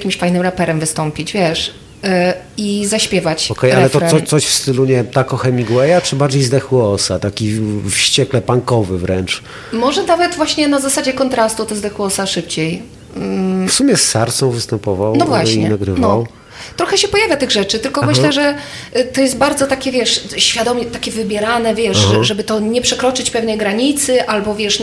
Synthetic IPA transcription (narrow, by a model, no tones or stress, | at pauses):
akʲimɕfajnɘmɾapɛɾɛmvɘst̪ɔmpʲid͡ʑvʲjɛʂ | izaɕpʲjɛvat͡ɕɔkɛjalɛt̪ɔɾasɔt̪sɔɕfst̪ɘluɲɛmt̪akɔxɛmʲiɡwɛjat͡ʂɘbaɾd͡ʑejzd̪ɛxwɔsat̪akʲifɕt͡ɕɛklɛpaŋkɔvɘvɾɛnt͡ʂ | mɔʐɛnavɛt̪vwaɕɲɛnazasad͡ʑɛkɔnt̪ɾast̪ut̪ɔzd̪ɛxwɔsaʂɘp̚t͡ɕej̩ | fsumʲjɛsːaɾt̪sɔ̃w̃vɘst̪ɛmpɔvawnɔvwaɕɲiɛnaɡɾɘnvɔaw | t̪ɾɔxɛɕɛpɔjavʲjat̪ɘɣʐɛt͡ʂɘt̪ɘlkɔmɘɕlɛʐɛ | t̪ɔjɛst̪baɾd̪zɔt̪akʲɛvʲjɛʂɕfʲjad̪ɔmʲjɛt̪akʲɛvɘbʲjɛɾanɛvʲjɛʂʐɛbɘt̪ɔɲɛpʂɛkɾɔt͡ʂɘt͡ɕpɛvnɛjɡɾaɲit̪sɘʔalbɔvʲjɛʂ